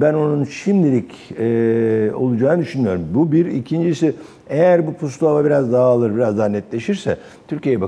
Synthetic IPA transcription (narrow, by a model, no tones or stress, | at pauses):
bæno̞nunʃimd̪ʲilʲicɛːo̞̰lˠud͡ʒaːnɯd̪yʃynyjo̞ɾumbubiɾḭcʰind͡ʒisi | ejæɾbupʰust̪ˠuavabiɾazd̪aɦaalˠɯɾbiɾazd̪aɦnɛt̪lʲe̞ʃiɾsɛ | t̪ʰyɾcijejɛba